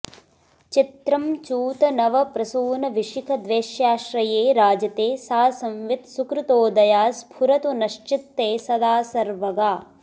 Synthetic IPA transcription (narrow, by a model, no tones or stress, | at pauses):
t͡ʃit̪ɾɐmt͡ʃuːt̪ɐnɐʋɐpɾɐsuːnɐʋiʂikʰɐd̪ʋeːʃjaːʃɾɐjeːɾaːd͡ʒɐt̪eːsaːsɐmʋit̪sukɾut̪oːd̪ɐjaːsbʰʱuɾɐt̪unɐʃt͡ʃit̪ːeːsɐd̪aːsɐɾʋɐɡaː